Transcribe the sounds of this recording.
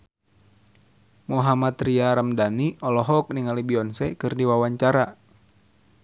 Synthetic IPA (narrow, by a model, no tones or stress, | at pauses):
mɔɦamat̪ɾiaɾamdaniɔlɔɦɔk̚niŋalibiɔnsɛkɨrdiwawaɲt͡ʃaɾa